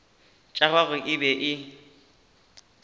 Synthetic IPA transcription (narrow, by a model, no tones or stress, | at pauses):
t͡ʃʼaɣaɣʊʔɪbɛʔɪ